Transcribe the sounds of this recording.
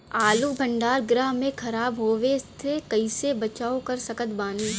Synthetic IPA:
aːlubʱɐ̃ɳɖaːɾɡɾaːɦmẽkʰɐɾaːbɦoːʋeɪst̪ʰekɐɪsebɐt͡ʃaːokɐɾsɐkət̪baːniː

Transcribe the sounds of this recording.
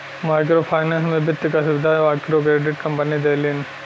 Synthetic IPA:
maːjkɾopʰaːjnɐnsmebɐt̪ːikɐsuʋɪd̪ʱaːjmajkɾoːkɾeːɖiʈkɐmpɐnid̪ejlin

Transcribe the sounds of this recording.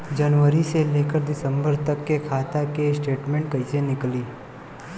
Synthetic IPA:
d͡ʒənʋəɾiselekəɾd̪ɪsəmbəɾt̪əkːekʰat̪akesʈeʈmẽɳʈ̚kəisenɪkli

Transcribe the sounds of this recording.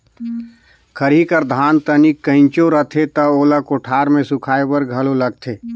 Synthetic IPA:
kʰəɾikəɾd̪ʱaːnt̪ənikːəɪ̃nt͡ʃoɾət̪ʰet̪ɐoːləkʊʈʰaːɾmẽsʊkʰaːebəɾɡʱɐlolɐɡ̚t̪ʰeː

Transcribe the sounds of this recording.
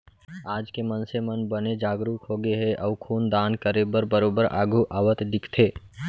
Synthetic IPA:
aːd͡ʒkemənsemɐnbɐned͡ʒaːɡɾuːkɦoːɡeɦɛʔɔʋkʰuːnd̪aːnkəɾebəɾbəɾoːbəɾa̰ːɡʱuʔaːʋət̪d̪ɪkʰt̪ʰeː

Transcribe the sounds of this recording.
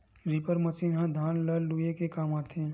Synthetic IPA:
ɾipəɾməsiːnɦãd̪ʱaːnlɐlluekekaːmaːt̪ʰẽ

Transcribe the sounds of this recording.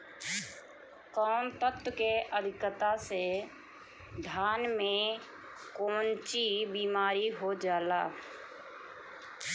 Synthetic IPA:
kɔːnt̪ət̪wkeʔəd̪ʱɪkət̪ase | d̪ʱaːnmẽ | koːnt͡ʃibiːmaːɾiɦod͡ʒaːlaː

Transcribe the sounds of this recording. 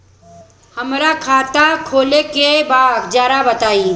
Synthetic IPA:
həmɾakʰaːt̪akʰoːlekebakd͡ʒaːɾabət̪aːiː

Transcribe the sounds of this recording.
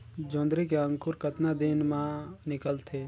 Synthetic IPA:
d͡ʒõːnd̪ɾikeə̃ŋkʊɾkət̪nad̪inmãnɪkəlt̪ʰe

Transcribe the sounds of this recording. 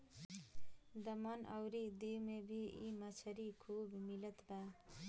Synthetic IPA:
d̪ʌmʌnʔʌwɾid̪iwmebʱiimʌt͡sʰʌɾikʰubʱmilʌt̪ba

